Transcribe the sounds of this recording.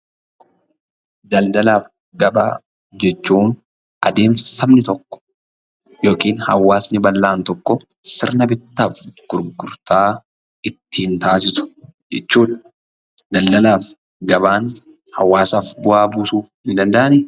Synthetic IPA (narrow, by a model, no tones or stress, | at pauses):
d̪ɐld̪ɐlaːf | ɡɐba̰ː | d͡ʒɛt͡ʃːuːn | ʔɐ̰d̪e̞ːmsɐsɐbnɪt̪ɔkːɔ̥ | jo̞ːkiːnhɐwːaːsnɪbɐlːaːnt̪ɔkːɔ | sɪɾnɐbɪt̪ːaːfɡ̥ʊɾɡʊɾt̪aː | ɪt̪ːiːnt̪aːs̬ɪsʊ̥d͡ʒɛt͡ʃːuːᶑɐ̥ | d̪̥ɐld̪ɐlaːf | ɡɐbaːn | hɐwːaːsaːfbʊʔaːbuːsuːfhɪnd̪ɐnd̪ɐʔɐnɪ